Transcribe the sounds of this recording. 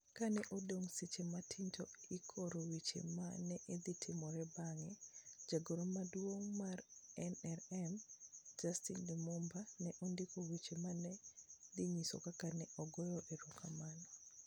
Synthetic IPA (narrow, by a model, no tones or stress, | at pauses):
kanɛʔɔdoŋsit͡ʃematʰintʰɔikʰoɾowit͡ʃḛmanɛʔed̪itʰɪmɔɾɛbaŋɛd͡ʒaɡoɾomadwoŋmarɛnɛɾɛmd͡ʒastindimumbanɛʔɔndɪkowit͡ʃemanɛd̪iɲisɔ̰kakanɛʔɔɡɔjɔʔɛɾɔkʰamanɔ